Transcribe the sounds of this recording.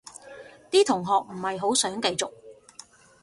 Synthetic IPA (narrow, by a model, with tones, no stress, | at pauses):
t̪iː˥t̪ʰʊ˨˩ŋɦɔː˨k̚m̩˨˩hɐ˨jɦo˨˥wsœː˨˥ŋkɐ˧jt͡sʊ˨k̚